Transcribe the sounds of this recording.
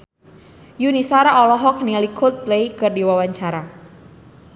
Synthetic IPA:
junisaɾaʔɔlɔɦɔk̚nilikʰʊt̪̚lejkɨrdiwawaɲt͡ʃaɾa

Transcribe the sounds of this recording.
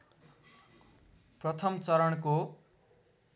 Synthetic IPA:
prʌt̪ʰʌmt͡sʌɾʌɳko

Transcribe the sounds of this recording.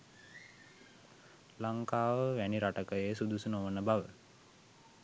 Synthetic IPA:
laŋkaːʋəʋæniɾaʈəkəjejəsud̪usunoʋənəbaʋə

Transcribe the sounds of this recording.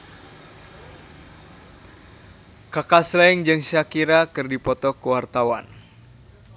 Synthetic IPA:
kakaslaiŋd͡ʒɨŋsakiɾakɨrdipɔt̪ɔkuwart̪awa̰n

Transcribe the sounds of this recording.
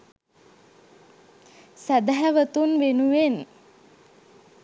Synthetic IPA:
sæd̪aɦæʋət̪unʋenuʋen

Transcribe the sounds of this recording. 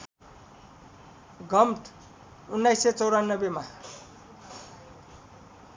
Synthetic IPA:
ɡʱʌmʈ | unːajsːet͡sʌwɾanːʌbema

